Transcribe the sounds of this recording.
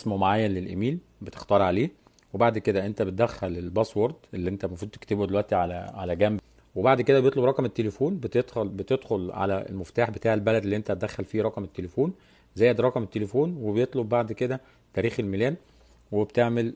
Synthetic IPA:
smomaʕaːjːænlelʔemiːl | bet̪e̥xt̪ɑːɾˤʕaleː | webaʕd̪ked̪æʔent̪æbet̪̚d̪æxːælelbɑswɑɾˤd̪ʔelːiʔent̪æmɑfɾuːd̪̚t̪e̥kt̪ebud̪elwæʔt̪iʕalæʕalæɡæːmb | webaʕd̪ked̪æbejet̪ˤlobɾˤɑqɑmet̪ːelefuːnbet̪et̪bet̪ed̪xolʕa̰læ̰ḛlmoft̪aːħbet̪aːʕelbælæd̪elːiʔent̪æt̪̚d̪æxːælfiːɾˤɑqɑmet̪ːelefuːn | zæjːæd̪ɾˤɑqɑmet̪ːelefuːnwebejet̪ˤlob̚baʕd̪ked̪æ | t̪æːɾiːxelmelæːn | webt̪eʕmel

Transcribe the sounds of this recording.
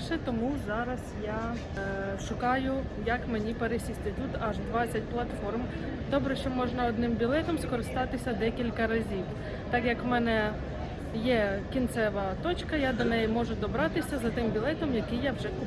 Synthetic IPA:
ʃɛt̪ɔmuzɑɾɐsjɑ | ʃʊkɑjʊ | jɐkmenʲipeɾesʲisʲt̪ʲɪt̪ʲut̪ɐʒd̪ʋɑt͡sʲːɐt̚ʲplˠɐt̪fɔrm | d̪ɔbɾɛʃt͡ʃɔmɔʒnɐɔd̪nɪmbʲilˠɛt̪ɔmskɔɾɪst̪ɑt̪ɪsʲɐd̪ɛkʲilʲkɐɾɐzʲiw | t̪ɑkjɐkmɛnɛ | jɛkʲint̪sɛʋɐt̪ɔt͡ʃkɐjad̪ɔnɛjimɔʒʊd̪ɔbɾɑt̪ɪsʲɐzɐt̪ɪmbʲilˠɛt̪ɔmjɐkɪjawʒɛ

